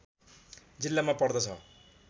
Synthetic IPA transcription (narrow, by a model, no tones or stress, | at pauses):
d͡zilːamapʌɽd̪ʌt͡sʰʌ̰